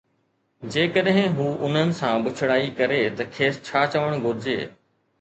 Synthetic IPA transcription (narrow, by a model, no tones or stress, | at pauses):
d͡ʑeːkəɗɦɪ̃ɦuːʔʊn̤ənɪ̆sãbʊt͡ɕʰɪɽaːikɐɾet̪ɐkʰeːst͡ɕʰaːt͡ɕɐʋəɽ̃ɡʱʊɾɪd͡ʑḛː